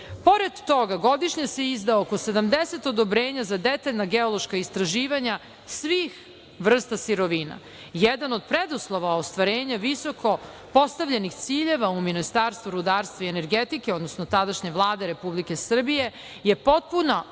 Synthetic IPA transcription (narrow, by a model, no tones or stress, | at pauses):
po̞ɾed̪ːo̞ɡaɡo̞d̪iʃɲese̞izd̪aookosed̪amd̪ese̞t̪o̞d̪obɾeːɲazad̪et̪aʎnaɡeolˠoʃkaist̪ɾaʒiːʋaɲa | sʋiːx | ʋr̩st̪asiɾo̞ʋina̰ | jed̪ano̞d̪̚pɾed̪uslˠoʋaost̪ʋaɾeːɲaʋiso̞ko̞ | po̞st̪aʋʎenixt̪siːʎe̞ʋauminist̪aːɾst̪vuɾud̪aːɾst̪ʋaiene̞ɾɡet̪ikeo̞d̪nosnot̪ad̪aʃɲeʋlˠaːd̪e̞ɾepublike̞sr̩bije̞ | jepo̞t̪̚puna